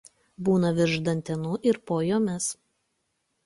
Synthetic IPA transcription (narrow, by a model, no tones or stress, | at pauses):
buːnɐʋʲɪɾʒd̪ɐnʲt̪ʲɛnʊʔɪɾpoːjoːmʲɛs